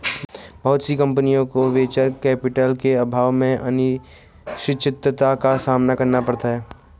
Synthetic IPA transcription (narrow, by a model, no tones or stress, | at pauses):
bɐɦʊt̪sikɐ̃mpənijõkoʋeːt͡ʃəɾkɛːpɪʈəlkeɐbʱaːʋmẽʔɐnɪ | ʃɪt͡ʃʰɪt̪ət̪akasaːmnakɐɾnapɐɽt̪aɦɛː